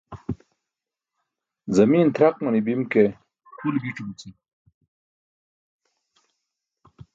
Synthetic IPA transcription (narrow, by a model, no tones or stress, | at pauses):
zɐmiːnt̪ɾaq̚mɐnibimke | kʰulɡiʈ͡ʂubut͡si